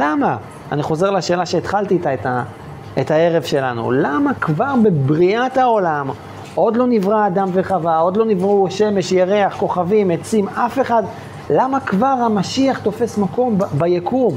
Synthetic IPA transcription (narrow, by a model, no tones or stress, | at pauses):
lama | aniχo̞ze̞ʁlaʃe̞ːlaʃeːt̪χalt̪iːt̪aet̪a | et̪hae̞ʁevʃe̞la̰nṵlamakvaʁbebʁiat̪hao̞lam | ʔo̞d̪lo̞nivʁaːd̪amveχavao̞d̪lo̞nivʁuʃe̞me̞ʃjaʁeaχko̞χavimet͡simafe̞χad̪ | lamakvaʁhamaʃiaχt̪o̞fe̞smako̞mbajakʰum